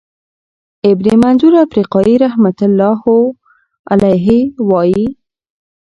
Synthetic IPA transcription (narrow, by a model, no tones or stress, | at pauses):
ɪbnimanzuɾafɾiqɑjiɾahmat̪ʊlːɑho | alajɦiwɑji